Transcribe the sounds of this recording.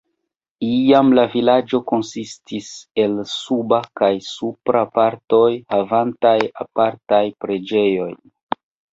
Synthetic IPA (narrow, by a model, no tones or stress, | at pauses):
iamlavilad͡ʒo̞ko̞nsistʰise̞lsubakajsupɾapaɾto̞jhavantajapaɾtajpɾe̞d͡ʒe̞jo̞j